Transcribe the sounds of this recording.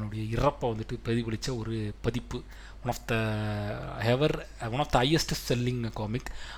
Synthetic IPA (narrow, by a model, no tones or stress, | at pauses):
nːɯɽɐjɐɪrɐpːɐʋɐnd̪ɯʈːɯpɛðiʋɐɭɪt͡ʃːɐɔɾɯpɐðɪpːɯ | ʊɳɐfd̪ɐ | hɛʋɐɾ | ʊnɐfd̪ɐɐjɛsʈɯsɛlːɪŋkoːmɪk